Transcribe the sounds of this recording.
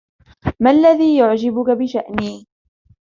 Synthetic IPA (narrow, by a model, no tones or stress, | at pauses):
malːaðiːjʊʕd͡ʒɪbʊkabɪʃaʔniː